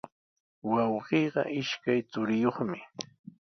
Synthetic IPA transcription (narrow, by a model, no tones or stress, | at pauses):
wɑwɢiːɢɑ̰ʔɪʃkajt͡sʊɾɪjoχmɪ